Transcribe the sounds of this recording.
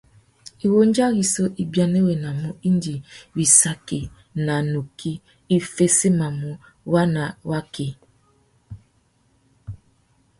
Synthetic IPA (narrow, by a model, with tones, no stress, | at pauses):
i˨wo˦n˦d͡ʒa˦ɣi˨so˦ʔi˦bja˦ne˦we˨na˨mu˦i˦ndi˨wi˨sa˨ki˨ | na˨nu˨kʰi˦ | i˦fe˦se˦ma˨mu˦ | wa˦na˨wa˦ki˨